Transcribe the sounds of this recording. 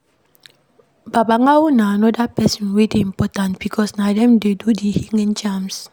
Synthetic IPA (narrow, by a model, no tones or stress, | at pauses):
babaŋawunaːnɔdapɛsɔ̃nwedeĩmpɔtãntb̥ikʰɔsnadɛ̃mdedudihiŋɛ̃nt͡ʃams